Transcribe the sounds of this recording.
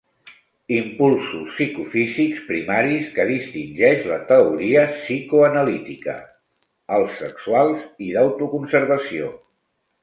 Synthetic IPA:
impulˠsusːikufizikspɾimaɾiskəðist̪inʲʒɛʃlət̪əuɾiəsikuənəlit̪ikə̰ | əlˠsːəksualˠziðəwt̪ukunsəɾβəsio̰

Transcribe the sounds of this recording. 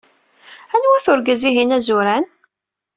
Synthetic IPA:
ænwæθʊɾɡæziɦinæzʊɾæn

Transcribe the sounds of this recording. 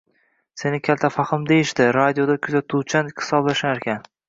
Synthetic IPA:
se̞nɪkʲʰalt̪ʰafaχɨmd̪ejɪʃd̪ɪɾad̪ijod̪akʲʰʊzat̪ʰut͡ʃʰanhɪ̥sɒblaʃnaɾkʲan

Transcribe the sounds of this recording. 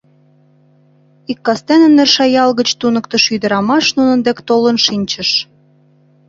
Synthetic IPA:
ikːɑst̪enə̆nːerʃɑjɑlɣə̆t͡ɕt̪unɤ̆kt̪ə̆ʃyd̪ə̆ɾɑmɑʃnunə̆nd̪ekt̪olənʃinʲt͡ɕə̆ʃ

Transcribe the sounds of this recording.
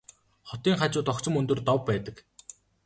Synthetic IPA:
χɔt̪iːŋχat͡ɕʊːt̪ɔkt͡sə̆mɵnt̪ɵ̆rt̪ɔwpːæːt̪ə̆k

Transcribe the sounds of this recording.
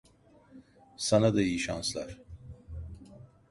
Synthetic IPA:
sanad̪aijiʃanslˠa̰ɾ̥

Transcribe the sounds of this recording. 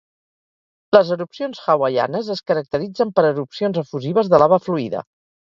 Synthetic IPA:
ləzəɾupsionsxəwaja̰nəzəskəɾək̚t̪əɾid͡zəmpəɾəɾupsionzəfuziβ̞əzðəlaβəfluiðə̰

